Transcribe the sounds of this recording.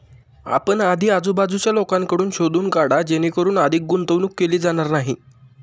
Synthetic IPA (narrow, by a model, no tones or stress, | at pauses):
a̰pəɳad̪ʱiːad͡zuːbad͡zut͡ɕjalokaŋkəɽuːnɕod̪ʱuːnkaɽad͡ʑenikəɾuːnəd̪ʱiːk̚ɡunt̪əʋnuːkːeliːd͡zaɽ̃aɾnaɦi